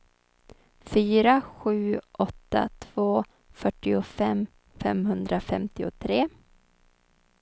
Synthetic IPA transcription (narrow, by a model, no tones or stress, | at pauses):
fyːɾaɧʉ̟ːʔɔt̪ːa̰t̪ʰv̥oː | fœʈːɪʊfɛmː | fɛmɦɵnd̪ɾafɛmt̪ɪʊ̰t̪ʰɾeː